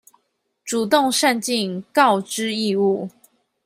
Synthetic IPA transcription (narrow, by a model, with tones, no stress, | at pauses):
ʈ͡ʂu˨˩t̪ʊ˥˨ŋʂa˥˧nt͡ɕi˥˨nkɑ˥˨ʊʈ͡ʂɻ̩˥i˥˧u˥˨˩